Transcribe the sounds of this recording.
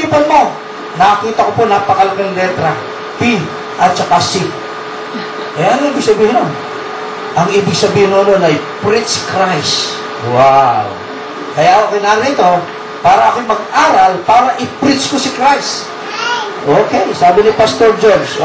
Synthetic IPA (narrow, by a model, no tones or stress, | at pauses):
pɐnmo̞ | nɐkiːt̪ɐkoponɐpɐkalkɐŋlɛt̪ɾɐ | pi | ʔɐt̪̚t͡ʃɐkasi | kɐjaɐnŋʔiːbɪɡsɐbiːhɪnon | ʔɐŋʔiːbɪɡ̚sɐbiːhɪnoɐnonɐjpɾɪt̪skɾajs | waw | kɐjaʔʔoːkɛjnaːɾɪnɪt̪o̞ | paːɾɐʔɐkomɐɡ̚ʔaːɾɐlpaːɾɐʔɪpɾɪt̪skosɪkɾajs | ʔoːkɛjsaːbɪnɪpɐst̪o̞ɾd͡ʒons